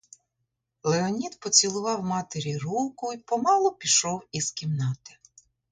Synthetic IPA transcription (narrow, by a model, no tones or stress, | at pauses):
lˠeɔnʲid̪pɔt͡sʲilˠʊʋɑwmɑt̪eɾʲirukʊipɔmɑlˠɔpʲiʃɔwizkʲimnɑt̪ɪ̥